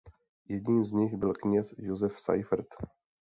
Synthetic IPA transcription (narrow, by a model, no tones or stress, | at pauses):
jɛdɲiːmzɲɪxbɪlkɲɛsjozɛfsa̰jfɾ̩t̪